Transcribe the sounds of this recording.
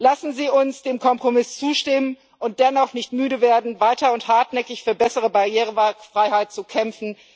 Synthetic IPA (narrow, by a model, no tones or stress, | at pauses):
lasn̩ziːʊnsd̥eːmkʰɔmpʁ̥omɪst͡suːʃtɪmən | ʔʊnt̚d̥ɛnɔχnɪçtmyːɾəveːɐdn̩vaɪtɐʊnthaɐtnɛkɪçfyːɐbɛsəʁ̞əbaʁjeːʁ̞əvfʁ̥aɪhaɪt̚t͡sukʰɛmfn̩